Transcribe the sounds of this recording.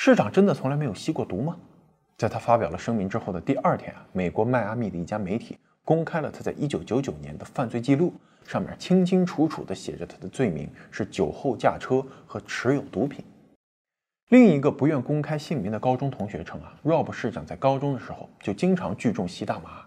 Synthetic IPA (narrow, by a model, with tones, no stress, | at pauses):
ʂɻ̩˥˩ʈ͡ʂɑ˨˩ŋʈ͡ʂə˥nd̪ə˨t͡sʰʊ˧˥ŋlme˧˥ɪjo˨˩ʊɕi˥kwɔ˥˩t̪u˧˥mə˨ | t͡sa˥˩ɪt̪ʰa˥fa˥pjɑ˨˩ʊlə˦ʂɤ˥ŋmi˧˥ŋʈ͡ʂɻ̩˥xo˥˩ʊd̪ə˩t̪i˥˧ʔɐ˞˥˩t̪ʰjɛ̰˧˥n˩me˨˩kwɔ˧˥ma˥˧ɪa˥mi˥˩d̪ə˩i˥˩t͡ɕja˥me˧˥ɪt̪ʰḭ˨˩˦ | kʊ˥ŋkʰa˥ɪlə˨t̪ʰa˥t͡sa˥˩ɪʔi˥t͡ɕjo˧˥ʊt͡ɕjo˧˥t͡ɕjo˨˩ʊnjɛ˧˥nd̪ə˧fa˥˧nt͡swe˥˧ɪt͡ɕi˥˧lu˥˩ | ʂɑ˥˧ŋmʲjɛ̰˨˩t͡ɕʰi˥ŋt͡ɕʰi˥ŋʈ͡ʂʰu˧˥ʈ͡ʂʰṵ˨˩d̪ə˦ɕjɛ̰˨˩ʈ͡ʂə˦t̪ʰa˥d̪ə˨t͡swe˥˩ɪmḭ˧˥ŋʂɻ̩˥˩t͡ɕjo˨˩ʊxo˥˧ʊt͡ɕja̰˥˩ʈ͡ʂʰɤ˥xɤ˧˥ʈ͡ʂʰɻ̩˧˥jo˨˩ʊt̪u˧˥pʰi˨˩˦n | li˥˩ŋi˧˥ɡə˧pu˧˥ɥɛ˥˩nkʊ˥ŋkʰa˥ɪɕi˥˩ŋmi˧˥ŋd̪ə˨kɑ˥ʊʈ͡ʂʊ˥ŋt̪ʰʊ˧˥ŋɕɥɛ̰˧˥ʈ͡ʂʰɤ˧˥ŋɐ˧ɻwɑ˥˧ʊpu˧˥ʂɻ̩˥˩ʈ͡ʂɑ˨˩ŋt͡sa˥˩ɪkɑ˥ʊʈ͡ʂʊ˥ŋd̪ə˨ʂɻ̩˧˥xo̰˥˧ʊt͡ɕjo˥˩ʊt͡ɕi˥ŋʈ͡ʂʰɑ˧˥ŋt͡ɕy˥˧ʈ͡ʂʊ˥˩ŋɕi˥t̪a˥˩ma˧˥